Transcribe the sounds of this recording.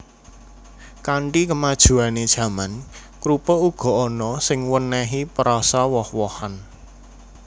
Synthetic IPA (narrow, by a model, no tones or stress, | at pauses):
kaɳʈikəmad̥ʒ̥ṳaned̥ʒ̥ä̤man | kɾupɔuɡ̥ɔ̤ɔnɔsɪŋwənɛɦipəɾɔsawɔhwɔhan